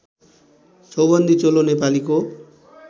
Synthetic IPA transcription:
sobʌnd̪ʱit͡solonepaliko

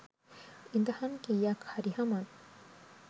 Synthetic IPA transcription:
ind̪ahankijakhaɾihaman

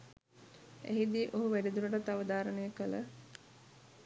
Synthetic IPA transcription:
ḛɦid̪iːʔoɦuʋæɾid̪uləʈət̪aʋəd̪aːɾənəjəkələ̰

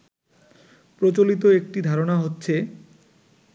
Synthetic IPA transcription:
pɾot͡ɕolit̪oek̚ʈid̪ʱaɾonaɦotːɕʰe

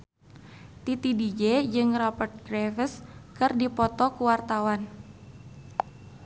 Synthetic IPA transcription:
t̪it̪idid͡ʒed͡ʒɨŋrɔpərt̪̚ɡɾevəskɨrdipɔt̪ɔkuwart̪awan

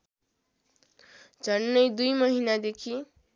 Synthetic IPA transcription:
d͡zʱʌnːʌjd̪ujmʌɦinad̪ekʰi

